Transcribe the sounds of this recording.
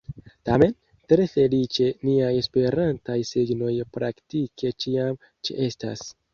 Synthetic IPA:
tame̞n | tɾe̞fe̞lit͡ʃe̞niaje̞spe̞ɾantajsiɡno̞jpɾaktikʰe̞t͡ʃiam | t͡ʃiʔe̞sta̰s

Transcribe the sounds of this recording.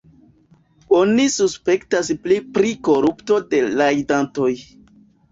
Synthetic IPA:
o̞nisuspe̞ktasplipɾiko̞ɾupto̞de̞lajdanto̞j

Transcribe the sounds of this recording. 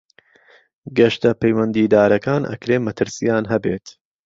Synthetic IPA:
ɡɐʃt̪ɐpʰɐjwɐnd̪iːd̪aːɾɐkaːnʔɐ̰kɾeːmɐt̪ʰɨɾsijaːnɦɐbeːt̪

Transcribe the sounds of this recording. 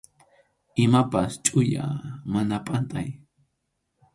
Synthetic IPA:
ɪmapast͡ʃʼʊja̰manapʼant̪aj

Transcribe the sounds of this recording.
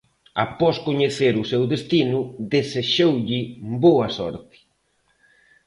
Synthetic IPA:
a̰pɔskoɲeθeɾʊsewðest̪inʊðeseʃowʎɪboɐsɔ̰ɾt̪ɪ̥

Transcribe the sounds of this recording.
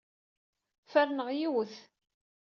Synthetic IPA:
fæɾnəʁjiwəθ

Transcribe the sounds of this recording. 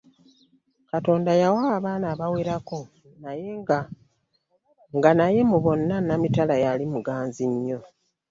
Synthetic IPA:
kato̞ːndajawaːβaːnaːβaweɾako̞ | najea | ŋɡanaje̞muβo̞nːanamitalajalimuɡaːnziɲːo̞

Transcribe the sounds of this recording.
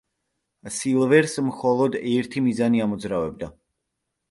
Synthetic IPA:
silˠvɛɾsmχɔlˠɔd̪ɛɾt̪ʰimizaniamɔd̪zɾavɛb̚d̪a

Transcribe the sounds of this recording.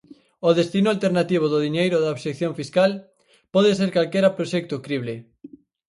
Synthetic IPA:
oðest̪inʊalt̪eɾnat̪iβ̞oðʊðiɲejɾʊðaoβʃekθjoɱfiskal | pɔðes̬eɾkalkeɾɐpɾoʃɛk̚t̪ʊkɾiβle

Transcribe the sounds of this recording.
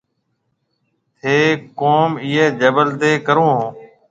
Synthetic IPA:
t̪ʰeːkoːmiːeːd͡ʒəbəlt̪eːkəɾõːɦõː

